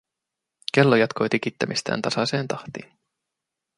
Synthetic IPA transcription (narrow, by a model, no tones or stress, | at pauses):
kelːojɑt̪kʰojt̪ik̟it̪ːæmist̪æ̰ːnt̪ɑsɑse̞ːnt̪ɑht̪ḭːn